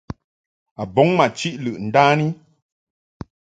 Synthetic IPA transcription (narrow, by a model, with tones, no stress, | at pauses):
a˨bɔ˨˦ŋma˨t͡ʃi˦ʔlɨ˨ʔn̩˨daː˦ni˦